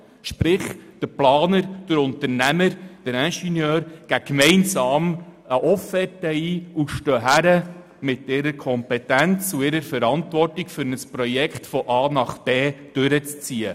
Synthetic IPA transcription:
ʃpɾɪχd̥əplɑːnəɾd̥əɾʊnt̪əɾnæməɾd̥əɾæʃinjøːɾɡ̥ækmɛɪnsɑːməʔɔfɛtəiːuʃtœːɦæɾə | mɪtɪɾəɾkʰɔmpɛtænt͡suɪɾəɾfəɾɑntʋɔrtɪkfʏɾnəspɾɔjɛkχtfɔʔɑːnɑχb̥eːd̥ʏɾət͡st͡siːə

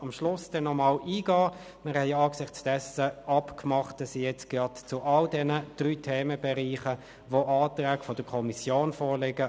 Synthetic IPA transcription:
ɑmʃlʊsd̥ɛnːɔmɑːlʔiːɡɑː | mɪʁhɛɪɑːksɪχt͡sd̥ɛsəʔɑpkmɑχt̚dɑsijɛt͡sɡ̥ʁɑtt͡sʊʔɑldɛnəd̥ʁyːtʰeːməbɛʁiːχə | ʋoʔɑːtʁæːɡ̥fɔd̥əkʰɔmisjoːnfɔːʁlɪɡə

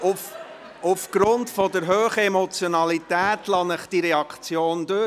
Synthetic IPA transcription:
uf | ufɡ̥ɾʊntfɔdəɾɦøːχəemɔt͡sjonɑlitæːtlɑnəχd̥iɾɛɑkχt͡sjoːndø

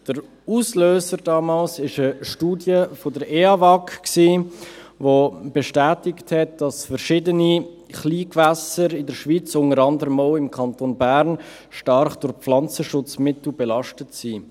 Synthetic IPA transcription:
d̥əɾ | uːsløːzəɾdɑːmɑːlsɪʃəʃtuːdjəfodəɾɛɑvɑkksiː | vob̥ɛʃtæːtɪkthɛt̚d̥ɑsfəɾʃɪdəni | χliːkvæsəɾɪdəɾʃvit͡sʊŋəɾɑndəɾəmoʊɪmkʰɑntoːnbæɾn | ʃtɑɾχd̥ʊɾflɑnt͡səʃʊt͡smɪtl̩bɛlɑʃtətsiː

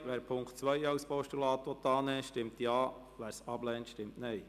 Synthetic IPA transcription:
ʋæːɾpʰʊŋktt͡sʋœjɑwspɔʃtulɑːt̪ʋɔt̪ːɑːnɛːʃtɪmt̪jɑː | ʋæːɾsɑblɛntʃtɪmtnɛɪ

